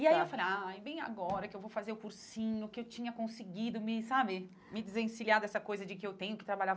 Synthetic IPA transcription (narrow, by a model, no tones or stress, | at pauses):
iaiewfalejajbẽj̃a̰ɡɔɾɐkɪewvowfazeɾʊkuɾsĩɲʊkɪewt͡ʃĩɲɐkõsɪɡid̪ʊmɪsabɪ | mɪd͡ʒɪzẽsiliad̪ɛsɐkojzɐd͡ʒɪkɪewt̪ẽɲʊkɪt̪ɾabaʎav